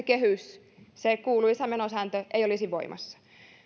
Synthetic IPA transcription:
kehys | sekuːluisæmenosæːnt̪øʔeijolisiʋʋo̰imʔɑ̰sːɑ̥

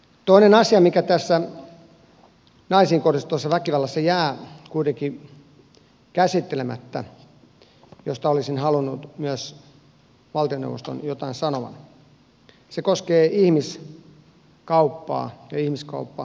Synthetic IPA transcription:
t̪oinenɑsiɑmikæt̪æsːæ | nɑisiːŋkorist̪uɑsːɑʋækiʋɑlːæsːɑjæːkuit̪eŋki | kæsit̪ːelemæ̰t̪ːæ̰ | jost̪ɑolisinhɑlunːut̪myæs | ʋɑlt̪ionḛuʋost̪o̰njot̪ɑinsɑnoʋɑ̰n | sekoskeːihmis | kɑupːɑ̰ːjɑihmiskɑ̰upːɑ

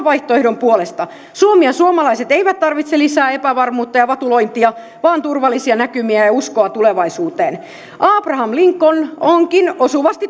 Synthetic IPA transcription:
ʋɑiht̪oehdompuolest̪ɑ | suomiɑsuomɑlɑiset̪eiʋæt̪t̪ɑrʋit̪selisæːepæʋɑrmuːt̪ːɑjɑʋɑt̪ulo̞jnt̪iɑ | ʋɑːnt̪urʋɑlːˑisiɑnækymiæjɑuskoɑt̪uleʋɑisuːt̪eːn | ʔɑːprɑhɑmliŋkːonoŋkinosuʋɑst̪i

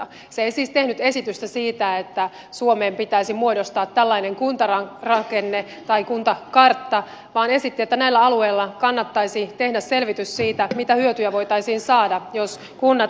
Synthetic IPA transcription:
ɑ | seeisiːst̪e̞hnyt̪e̞sit̪yst̪æsiːt̪æet̪ːæ | suomeːmpit̪æisimuodost̪ɑːt̪ːælːɑine̞ŋkunt̪ɑrɑrɑkenːe | t̪ɑikunt̪ɑkɑrt̪ːɑ | ʋɑːne̞sit̪ːiet̪ːænæilːæɑlue̞ilːɑkɑnːɑt̪ːɑisit̪ehdæsse̞lʋit̪yssiːt̪æmit̪æhyøt̪yjæʋo̞jt̪ɑisiːnsɑːdɑjos | kunːɑ

